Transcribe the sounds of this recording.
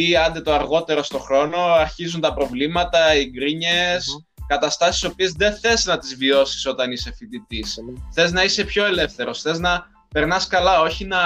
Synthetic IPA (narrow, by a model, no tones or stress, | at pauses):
iɐnd̪et̪o̞ɐɾɣo̞t̪e̞ɾo̞st̪o̞xɾo̞no̞ɐɾçizunt̪ɐpɾo̞vlimɐt̪ɐiɡɾiɲes | kɐt̪ɐst̪ɐsi̥so̞pie̞zðe̞θe̞znɐt̪izvio̞si̥so̞t̪ɐnise̞fit̪it̪isθe̞znɐise̞pço̞e̞le̞fθe̞ɾo̞sθe̞znɐ | pe̞ɾnɐskɐlɐo̞çinɐ